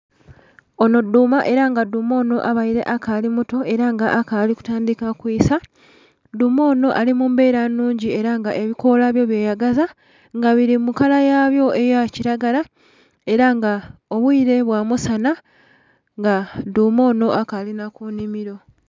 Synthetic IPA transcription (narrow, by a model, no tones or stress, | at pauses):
o̞no̞dumaʔe̞ɾaŋɡaduːmo̞ːno̞ʔaβaiɾe̞̰ʔakalimuto̞e̞ɾaŋɡaʔakaliku̥taːndikakwisa | dumo̞ːno̞ʔalimumbe̞ːɾanːuːɲɟie̞ɾaŋɡaʔe̞βiko̞laβjo̞βjeːjaɡaza | ŋɡaβiɾimukalajaβjo̞ʔejaciɾaɡala | e̞ɾaŋɡao̞βwiːɾe̞βwaːmusana | ŋɡaduːmo̞ːno̞ʔakalinakunimiɾo̞